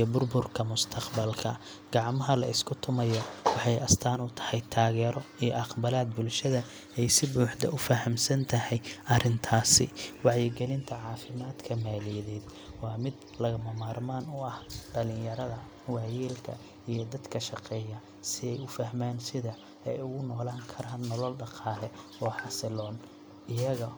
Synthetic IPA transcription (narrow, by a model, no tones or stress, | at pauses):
ijbʊrbʊrkʰɐmʊst̪ʰɑqbɐlkʰɐ̰ | ɡ̥ɑʕmɐɦɐlɐ̰ɪskʰʊt̪ʰʊmɐjɐwɑħɑjɐst̪ʰaːnʊt̪ʰɐ̥hɛjt̪ʰaːɣɛːɾɔijɔʔɑqbɐlaːd̪̚bʊlʃɐðɐ | ɛjsɪbuːħd̪ɐ̰ʔʊfɐhɐmsɐnt̪ʰɐhɛjʔɐrɪnt̪ʰaːsɪ̰wɑʕjɪɡɛlɪnt̪ʰɐʕɑːfɪmaːd̪kʰɐmaːlijɐðɛːd̪ | wɑːmɪd̪ | lɐɣɐmɐmaːrmaːnʊɐhɖɐlɪjɐɾɐðɐ | wɑjɛːlkʰɐ̰ | ijɔd̪ɐd̪kʰɐʃɑqɛːjɐ | sɪɛjʊfɐhmaːnsɪðɐ | ɛjʊɣʊnɔːlaːŋkʰɐɾɐnnɔlɔlɖɑqɑːlɛɔːħɑsɪlɔːn | ɪjɐɣɐ